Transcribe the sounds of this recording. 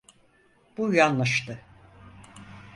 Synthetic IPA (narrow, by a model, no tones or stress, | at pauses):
b̥ujanlˠaʃt̪ɯ